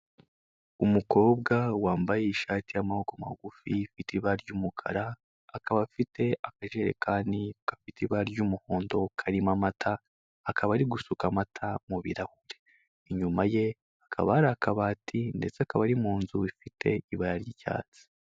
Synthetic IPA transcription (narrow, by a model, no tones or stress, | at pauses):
umuko̞ːbɡawaːmbajeiʃaːtijamahokama̰ɡufifitiβaɾɟumukʰa̰ɾaː | kaβafite̞akaʒe̞ɾe̞̰kʰaːndikḁfitiβaɾɟumuhoːndo̞kʰaɾimamatʰaː | kʰaβaɾiɡusukamatʰamuβḭɾahuɾe | iɲumaje̞ | akʰa̰βaɾakaβaːtʰinde̞̰t͡seakaβaɾimuːnzuifitʰe̞̰iβaɾaɾjica̰ːt͡si̥